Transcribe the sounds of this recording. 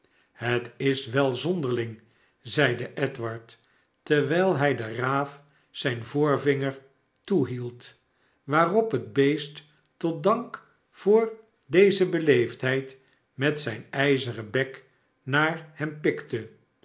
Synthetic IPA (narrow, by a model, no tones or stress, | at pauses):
hətɪsʋɛlˠzɔndəɹlɪŋ | zɛjdəʔɛtʋɑɹtː | ɛɹʋɛjlˠɦɛjdəraːf | sɛjnvʊːɹvɪŋəɹ | tuɦilˠt | ʋaːrɔpɦəd̚bejst | ɔt̚dɑŋk | fʊːɹ | dejzəbəlejftɦɛjt | mɛtsɛjnɛjzərəbɛk | naːɹhɛmpɪktə